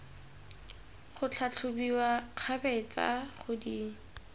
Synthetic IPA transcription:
χʊt͡ɬʰat͡ɬʰʊbiwaq͡χʰabɛt͡sa̰χʊdi

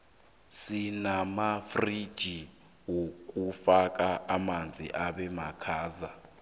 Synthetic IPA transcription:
sinamafrid̥ʒ̥ʱi | wok̬ʼufak̬ʼaʔamand͡zʱḭʔaɓɛmakʰaːza

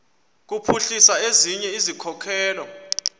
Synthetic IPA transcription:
k̬upʰuɬisaeziɲɛizikʰɔkʰɛːlɔ

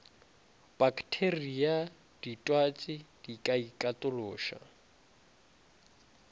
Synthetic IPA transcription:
b̥akʰtʰeria | d̥itʼwat͡sʼɪd̥ikʼaikʼatʼʊloːʃa̰

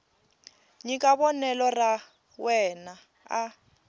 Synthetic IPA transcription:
ɲikʼaβɔnɛlɔra | wɛna | a

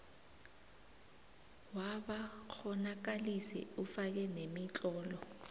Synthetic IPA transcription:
waɓak͡xʰɔnak̬alisɛ̰ufak̬ɛnemit͡ɬʼɔːlɔ

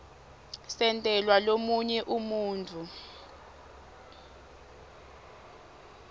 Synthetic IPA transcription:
sɛntʼɛlwalomuɲɛʔumuːnt͡fʰu

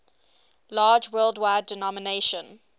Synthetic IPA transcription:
lɑːd͡ʒwɜːlˠdwaɪdɪnɔməneʃə̃n

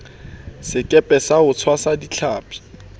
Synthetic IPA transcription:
sɪkʼɛpʼɛsaʊt͡sʰwasadit͡ɬʰaːpʼi̥

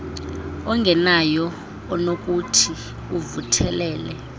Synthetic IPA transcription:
ɔŋɡʱɛnajɔː | nok̬ʼutʰi | uvutʰɛlɛːlɛ

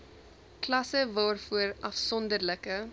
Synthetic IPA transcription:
klɐsəvɑːrfuəɾʔɐfsɔndərləkə

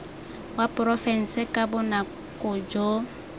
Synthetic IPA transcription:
wapʼʊrɔfɛn̩sɪkʼabʊna | kʼʊd͡ʒo

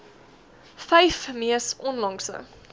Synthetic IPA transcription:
fɛjfmiəsɔnlɐŋsə̰

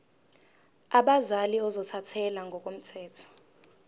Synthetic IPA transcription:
aɓazaliɔzɔtʰatʰɛlaŋɡʱɔk̬ʼom̩tʰɛːtʰɔ̥

